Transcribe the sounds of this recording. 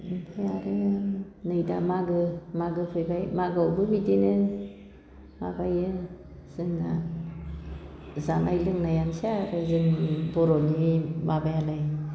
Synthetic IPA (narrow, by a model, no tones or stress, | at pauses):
ipʰajaɾɯ | nɯjda̰maɡɯmaɡɯpʰɯjbajmaɡawbɯbidinɯ | ma̰bajɯ | z̥ɯŋna̰ | zanajlɯŋnajansiaɾɯzɯŋibɔɾɔnimabajalaj